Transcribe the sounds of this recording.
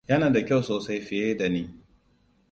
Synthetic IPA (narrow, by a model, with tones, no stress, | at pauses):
jɐ˦naː˨da˨kʲa˦˨wsoː˨sa˦jɸɪ˨jeː˦da˨niː˦